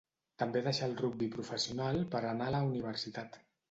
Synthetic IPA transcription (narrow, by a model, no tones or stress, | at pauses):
t̪əmbeðəʃalˠruɡ̚bipɾufəsiunalˠpəɾənaləuniβ̞əɾsit̪at̪